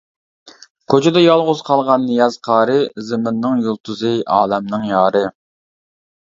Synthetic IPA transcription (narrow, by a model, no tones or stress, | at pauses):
kʲʰøt͡ʃʰɪd̪ɛjɑlˠʁʊz̥qʰɑlˠʁɑnːijɑzqʰɑːɾɨzɪmɪnːɨŋjolˠt̪ʰuzɨʔɑːlɛmnɨŋjɑːɾɨ